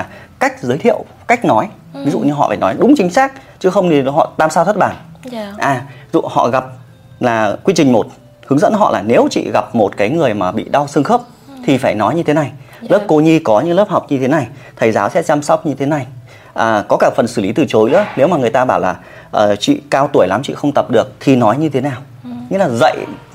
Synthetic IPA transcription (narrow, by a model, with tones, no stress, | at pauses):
a˨˩ka˦˥jk̟̚zəː˨˦jt̪ʰḭ˧˨əw | ka˦˥jk̟̚nɔ˨˦j | vi˨˦zṵ˧˨ɲɨ˧ɦɔ̰˧˨faː˧˩jnɔ˨˦jɗʊ˨˦ŋ͡mt͡ɕï˨˦ŋ̟saː˦˥k̚ | t͡ɕɨ˨˦xə˧wŋ͡mi˨˧˩ɦɔ̰˧˨t̪aː˧msaː˧t̪ʰə˦˥t̚ɓaː˧˩nʔaː˨˩i˦zṵ˧˨hɔ̰˧˨ɣa˨˩p̚ | laː˨˩kwi˧t͡ɕï˨˩ŋ̟mo˨˩t̚ | hɨ˨˦ŋzə̰˧˥nɦɔ̰˧˨laː˨˩ne˨˦wt͡ɕḭ˧˨ɣa˨˩p̚mo˨˩t̚kaː˨˦jŋɨ˨˩əjmaː˨˩ɓḭ˧˨ɗa˧wsɨ˧əŋxə˦˥p̚ | t̪ʰi˨˩faː˧˩jnɔ˨˦jɲɨ˧t̪ʰe˨˦na˨˩jləː˦˥p̚ko˧ɲi˧kɔ˨˦ɲɨ̰˧˥ŋləː˦˥p̚ha˨˩wk͡p̚ɲɨ˧e˨˦na˨˩j | t̪ʰə˨˩jzaː˨˦wsɛ̰˧˥t͡ɕaː˧msɔ˦˥wk͡p̚ɲɨ˧t̪ʰe˨˦na˨˩j | ʔaː˨˩kɔ˨˦kaː˧˩fə˨˩nsɨ˧˩li˨˦t̪ɨ˨˩t͡ɕo˨˦jlɨ̰˧˥əne˨˦wmaː˨˩ŋɨ˨˩əjt̪aː˧ɓaː˧˩wlaː˨˩ | ʔəː˨˩t͡ɕḭ˧˨kaː˧wt̪u˧˩əjla˨˦mt͡ɕḭ˧˨xə˧wŋ͡mt̪ə˨˩p̚ɗɨ˨˩ək̚t̪ʰi˨˩nɔ˨˦jɲɨ˧t̪ʰe˨˦naː˨˩w | ɲɨ̰˧˥laː˨˩zə̰˧˨j